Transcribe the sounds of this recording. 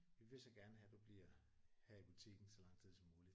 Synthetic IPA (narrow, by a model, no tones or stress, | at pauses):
ʋiʋe̝sɒ̽ɡ̥æɐnəɦæd̥ub̥liɐ̰ | hæib̥ut͡sʰiɡ̥n̩sɒ̽lɑ̈ŋ̰̥ʰið̰ˠsɒmuːli̥